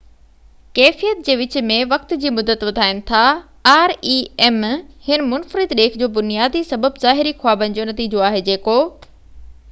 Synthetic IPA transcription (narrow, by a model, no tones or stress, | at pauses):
kɛːfijət̪̚d͡ʑeːʋɪt͡ɕmẽʋɐk̚t̪d͡ʑiːmʊd̪ət̪ʋɐd̪ʱaːɪnɪ̆t̪ʰa | aːɾiɛːmhɪnmʊnfɾɪd̪ɗeːkʰd͡ʑoːbʊnijaːd̪isɐbəbzaːɦɪɾixwaːbənɪ̆d͡ʑoːnɐt̪iːd͡ʑoaːɦed͡ʑeːkoː